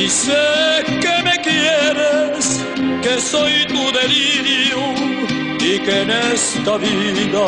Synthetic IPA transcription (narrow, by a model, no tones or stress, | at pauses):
isekemekjɛɾes | kesojt̪uðeliɾju | ikenɛst̪ɐviðɐ